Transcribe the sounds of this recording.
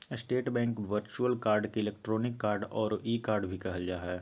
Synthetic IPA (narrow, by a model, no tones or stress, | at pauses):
sʈeːʈbɛ̃ːŋkʋəɾt͡ʃuəlkaːɾɖkiɪleːk̚ʈɾoːnɪkːaːɾɖɔːɾiːkaːɾɖbʱikɐɦəd͡ʒaːɦɛː